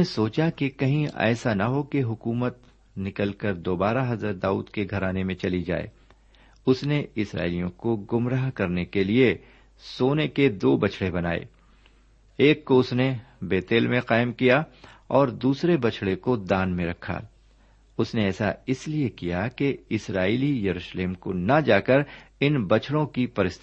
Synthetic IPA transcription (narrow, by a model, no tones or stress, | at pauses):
esoːt͡ʃakekɐɦĩɛ̰ːsanaɦokeɦʊkuːmət̪̚ | nɪkəlkəɾd̪oːbaːɾaɦɐzəɾd̪aːṵːd̪keɡʱɐɾaːnemẽt͡ʃɐlid͡ʒa̰ːḛː | ʊsneɪsɾa̰ːɪlijõkoɡʊmɾaːɦkɐɾnekelie | soːneked̪oːbɐt͡ʃʰɽebɐna̰ːḛː | eːkːoʊsne | beːt̪eːlmẽqaːɪmkijaɔːɾd̪uːsɾebɐt͡ʃʰɽekod̪aːnmẽɾɐkʰa̰ | ʊsneɛːsaɪsliekijakeɪsɾaːilijɐɾuːʃleːmko̰nɐd͡ʒaːkəɾɪnbɐt͡ʃʰɽõkipɐɾɪst̪ʰ